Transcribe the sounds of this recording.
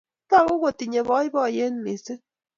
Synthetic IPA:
ta˦˨ɣu˦ɣo˨ti˨ɲe˨βɔ˦i˦bɔ˦˨je˦n̩˦ni˨se˦

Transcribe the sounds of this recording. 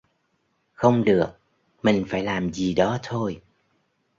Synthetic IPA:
xə˧wŋ͡mɗɨ˨˩ək̚ | mï˨˩ŋ̟faː˧˩jlaː˨˩mzi˨˩ɗɔ˨˦t̪ʰo˧j

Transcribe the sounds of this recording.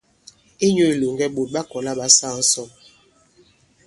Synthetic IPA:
e˦ɲo˦e˨lo˨ŋɡɛ˦ɓo˨t̚ɓa˦kɔ˨la˦ɓa˦saː˦˨n̩˦sɔ˦˨m

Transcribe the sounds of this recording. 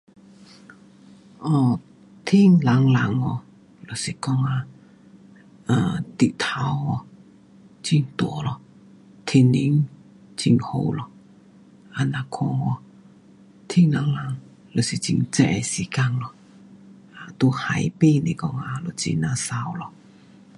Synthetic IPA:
ʔɔ˧˩ | t̪ʰi˥˧ŋla˨˦ŋla˨˦ŋɔ˧˩ | lo˨˩si˨˩kɔ˥˧ŋa˧ | a˨˧˩t̪i˧˨t̪ʰa˨˦wɔ˧˩ | t͡ɕi˧˩ŋt̪wɔ˨˩˦lɔ˨˩ | t̪ʰi˧nli˧˦ŋ | t͡ɕi˧ŋho̰˧wlɔ˧˩ | ʔa˨˧nã˧kʰɔ˧ɔ˧ | t̪ʰi˥˩ŋla˨˧˦ŋla˨˦ŋ | lo˨˩si˨˩t͡ɕḭ˧ŋt͡sɛ̰˧ʔe˧si˨˦ka˧ŋlɔ˨˩ | ʔa˧˨t̪o˧ha˨˩jpe˥˧˨ne˨kɔ˥˧ŋa˧lo˨˩t͡sḭ˧na˧sa˧wlɔ˨

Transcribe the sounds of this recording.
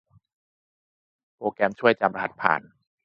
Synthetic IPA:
pɾoː˧kɛː˧mt͡ɕʰu˥˩əjt͡ɕa˧mɾa˧ha̰˨˩t̪̚pʰa̰ː˨˩n

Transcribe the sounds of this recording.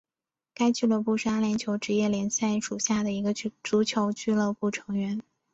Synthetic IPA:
ka˥ɪt͡ɕy˥˧lɤ˥˧pu˥˩ʂa˥ljɛ˧˥nt͡ɕʰjo˧˥ʊʈ͡ʂɻ̩˧˥jɛ˥˩ljɛ˧˥nɕja˥˩ɪʂu˨˩ɕja˥˩d̪ə˩i˧˥ɡə˧˥t͡su˧˥t͡ɕʰjo˧˥ʊt͡ɕy˥˧lɤ˥˧pu˥˩ʈ͡ʂʰɤ˧˥ŋɥɛ˧˥n

